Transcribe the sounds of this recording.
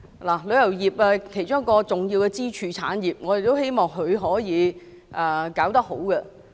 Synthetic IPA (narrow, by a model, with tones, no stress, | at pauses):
laː˨˩lɵ˨˧ɥjɐ˨˩wjiː˨p̚aː˧kʰe˨˩jt͡ʃʊ˥ŋ˥kːɔː˧t͡sʊ˨˩ŋji˧wkɛ˧t͡siː˥t͡ʃʰyː˨t͡sʰa̰ː˨˥njiː˨˩p̚ŋɔː˨˧je˨˩t̪o˥whe˥jmɔː˨˩ŋɦɵ˨˧ɥɦɔː˨˥jiː˨˧ | ʔɛː˨˩kaː˨˥wt̪ɐ˥k̚ho˨˥wkɛ˧